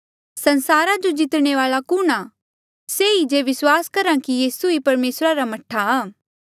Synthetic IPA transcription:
sɐ̃nsaːɾad͡ʒod͡ʒɪt̪ɽ̃eʋaːlakʊɽ̃a | seːid͡ʒeʋɪswaːskɐɾãkijiːsuipɐɾmeːsɾaɾamɐʈʰːaaː

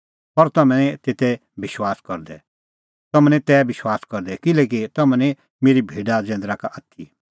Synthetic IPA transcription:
pɐɾt̪ɐmɛ̃ɛ̃t̪eːt̪ɛ | bɪʃwaːskɔɾd̪ɛ̰ | t̪ɐmɛ̃nɛ̃t̪ɛːbɪʃwaːskɔɾd̪ɛkɪlɛːk̬it̪ɐmɛ̃nɛ̃ | meːɾibʱeːɖad͡zɛ̃ːnd̪ɾakaʔɐt̪ʰːi

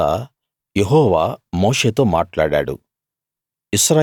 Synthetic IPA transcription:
a̰ː | jeɦɔːʋaːmoːʂeːt̪o̞ːmaːʈlaːɽa̰ːɽṵ | isɾa

